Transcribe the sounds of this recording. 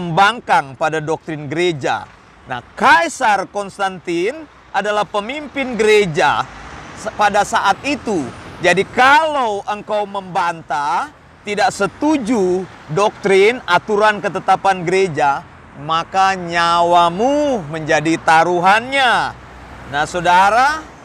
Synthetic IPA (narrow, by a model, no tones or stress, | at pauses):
əmbaŋkaŋpadadɔk̚t̪ɾɪnɡəɾed͡ʒa̰ | na̰hkajsarkɔnst̪ant̪in | ʔadalahpəmimpɪnɡəɾed͡ʒa̰ | padasaʔat̪̚it̪ud͡ʒadikalawʔəŋkawməmbant̪a | t̪idaʔsət̪ud͡ʒu | dɔk̚t̪ɾɪnat̪uɾankət̪ət̪apanɡəɾed͡ʒa | makaɲawamuməɲd͡ʒadit̪aɾuɦanɲa | nahsodaɾa